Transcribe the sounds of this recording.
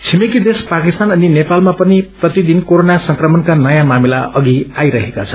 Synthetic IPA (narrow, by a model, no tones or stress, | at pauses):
t͡sʰimekid̪espakist̪anʌninepalmapʌniprʌt̪id̪inkoɾonasʌŋkrʌmʌnkanʌjãmamilaʌɡiajɾʌɦekat͡sʰʌn